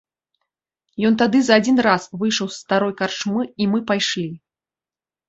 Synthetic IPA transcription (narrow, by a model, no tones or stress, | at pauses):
jɔnt̪ad̪ɨzɐad͡zʲinrasvɨjʂɐwsːt̪aɾɔjkart͡ʂmɨimɨpajʂlʲi